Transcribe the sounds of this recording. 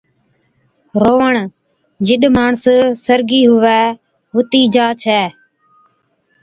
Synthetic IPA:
ɾoːəɳ | d͡ʒɪɗmaːɳssəɾɡiːɦʊʋɛː | ɦʊt̪iːd͡ʒaːt͡ʃʰɛː

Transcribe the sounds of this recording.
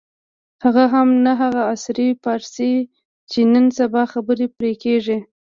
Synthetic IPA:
haɣaɦamnaɦaɣaːsɾipɑɾsi | t͡ʃenənsabɑxabəɾepɾekeʐi

